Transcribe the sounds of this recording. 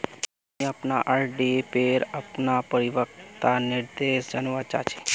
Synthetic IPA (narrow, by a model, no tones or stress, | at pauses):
ĩapnaʔaɾɖiepeɾapnapəɾiʋəkt̪aniɾd̪eʃd͡ʒənʋat͡ʃa̰t͡ʃʰe̥